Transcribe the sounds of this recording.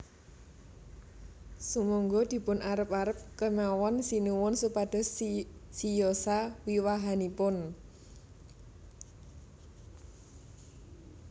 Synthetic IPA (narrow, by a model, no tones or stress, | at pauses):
sumɔŋɡɔd̪̥i̤pʊnʔaɾəp̚aɾəp̚kəɲawɔnsinuwʊnsupad̪̥ɔ̤ssijosawiwaɦanipʊn